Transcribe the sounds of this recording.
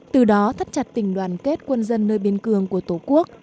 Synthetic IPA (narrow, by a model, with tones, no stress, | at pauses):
t̪ɨ˨˩ɗɔ˨˦t̪ʰə˦˥t̚t͡ɕa˨˩t̚t̪ï˧˩ŋ̟ɗwaː˧˩nke˦˥t̚kwə˧nzə˧nːəː˧jɓi˧ənkɨ˧˩əŋku˧˩ət̪o˧˩ku˦˥ək̚